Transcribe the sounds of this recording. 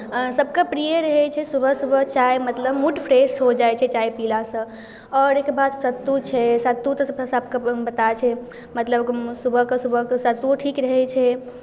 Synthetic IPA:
səb̚ʱkəpɾijəɾəɦɛt͡ʃʰɛsubʱəsubʱəɦt͡ʃaemət̪ləbmuʈpʰɾesɦod͡ʒajt͡ʃʰɛt͡ʃaipilasə̃ | ɔɾekbad̪sət̪ːut͡ʃʰɛsət̪ːut̪ɔsbsəb̚kəbət̪at͡ʃʰɛ | mət̪ləbksubʱəɦkəsubʱəɦkəsət̪uʈʰikɾəɦɛt͡ʃʰɛ

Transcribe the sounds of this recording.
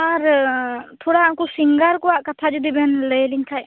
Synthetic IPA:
aɾ | t̪ʰɔɽaakusiŋɡaɾkɔwaʔkat̪ʰad͡ʒud̪ibɛnləjliɲkʰaj

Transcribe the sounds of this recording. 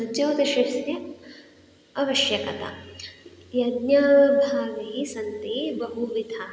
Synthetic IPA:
sɐɲt͡ʃɐwt̪ɐʃisjɐ | ɐʋɐʃjɐkɐt̪ɐ̰ | jɐd̪nɐbʱaːʋisɐnt̪ibɐɦuʋid̪ʰʱa

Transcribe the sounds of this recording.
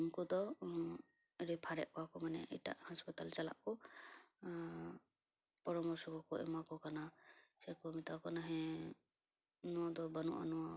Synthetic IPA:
mkɔd̪ɔ | ɾɛpʰaɾɛʔkɔwakɔmanɛ̰ʔɛ̰jʈa̰ʔhaspat̪alt͡ʃala̰ʔkɔ | pɔɾɔmɔɾsɔkɔkɔʔɛ̰makɔkanasajkɔmit̪akɔnaɦɛ̃ | nuɔd̪ɔbanṵʔa̰nɔwa

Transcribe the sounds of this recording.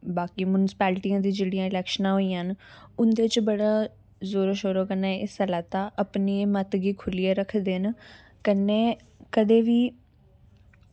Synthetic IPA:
baːkiːmʊnɪsɪ̥pɛːlʈiːãːd̪iːd͡ʒeːɽijãːɪlɛːkʃənãːɦoːiːãənʊnd̪eːt͡ʃbəɽaː | zoːɾəʃoːɾoːkənaːɪsəlaːt̪aːʔəpniːmət̪ɡiːkʰʊlijaːɾəkʰd̪en | kənːeː | kəd̪eːʋiː

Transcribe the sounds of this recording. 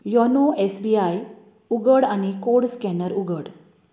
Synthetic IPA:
jɔnoesbiaj | uɡəɽanikoɽskɛnəɾuɡəɽ

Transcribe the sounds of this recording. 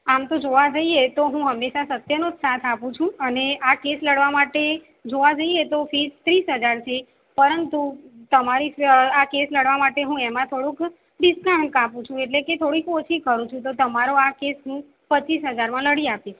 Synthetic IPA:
amt̪od͡ʒoʋad͡ʒəiet̪oɦũɦəmːeʃasət̪jənot̪sat̪ʰapũt͡ʃʰũəneakesləɽʋamaʈe | d͡ʒoʋad͡ʒəiet̪ofid͡ʒt̪ɾisɦəd͡ʒaɾt͡ʃʰe | pəɾənt̪ut̪əmaɾiakesləɽʋamaʈeɦũemãt̪ʰoɽũk | ɖɪskãɳɖkãpũt͡ʃʰũeʈleket̪ʰoɽikot͡ʃʰikəɾũt͡ʃʰũt̪ot̪əmaɾoakesɦũ | pət͡ʃːisɦəd͡ʒaɾmãləɽiapit͡ʃ

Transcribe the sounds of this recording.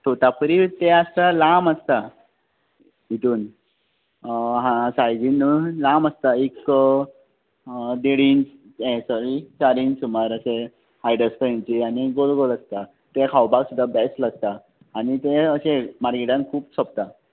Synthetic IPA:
t̪ot̪apəɾit̪eəst̪alaməst̪a | ɦit̪uːn | ɦãsajɡinulaməst̪aik | d̪eɽin | ẽsɔɾit͡ɕaɾiːnsuməɾəse | hajɖəspəĩɲt͡ɕianiɡolɡoləst̪a | t̪ekʰawbaɡsud̪ʱːabɛsləɡ̚t̪aː | ñit̪eəsemaɾɡiʈãnkʰuːpsɔp̚t̪a

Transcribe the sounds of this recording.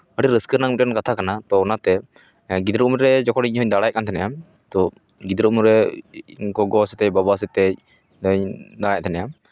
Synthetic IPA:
əɽiɾəskəɾnaŋmit̪̚kɔnkat̪ʰakanat̪ɔːnat̪ɛ | ɡid̪ɾuʔmɾɛd͡ʒɔkɔɽiɲɦɔɲd̪aɽajkant̪ʰɛnajam | t̪ɔ | ɡid̪ɾumɾɛ | ɡɔɡɔsɛt̪ɛcbabas̬ɛt̪ɛc̚ | əɲd̪aɽajc̚t̪ʰɛnajam

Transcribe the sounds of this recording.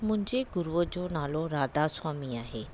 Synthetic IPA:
mʊ̃ɦɪ̃ɲd͡ʑeɡʊɾuəd͡ʑoːnaːloɾaːd̪aswaːmiaːɦeː

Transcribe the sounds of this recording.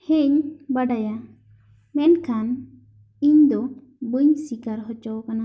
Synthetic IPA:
heɲbaɖaja | mɛnkʰan | iɲd̪ɔ | buɲsikaɾɦɔt͡ʃɔwkana

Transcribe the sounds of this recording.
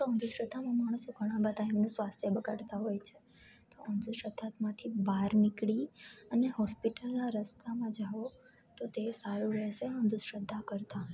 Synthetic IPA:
t̪oənd̪uʃɾəd̪ʱːamãmaɽ̃ũsoɡʱəɽ̃ãbad̪ʱaimnũsʋast̪ʰjəbəɡaɽt̪aɦojt͡ʃʰe | t̪oʔənd̪ʱuʃɾəd̪ʱːat̪mãt̪ʰibaɾnikɭiəneɦɔspiʈəlnaɾəst̪amãd͡ʒaʋo | t̪ot̪esaɾuɾɛɦʃeənd̪ʱuʃɾəd̪ʱːakəɾt̪a

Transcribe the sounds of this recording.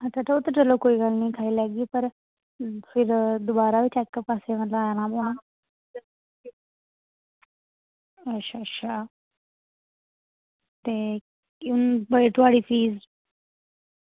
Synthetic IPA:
ətʰaʈəot̪əʈəlokoiɡalnikʰailaɡiːpəɾ | fiɾd̪ubaɾaʋit͡ɕɛkːəpasemət̪laajanabuã | əɕʰaɕʰa | t̪e | unbəjʈuʋaɽifiːz

